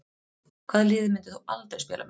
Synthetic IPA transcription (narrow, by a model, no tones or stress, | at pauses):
kʰvaːðlɪːðɪmɪnt̪ɪ̥θualt̪ɾaɾ̥spjɛːla̰m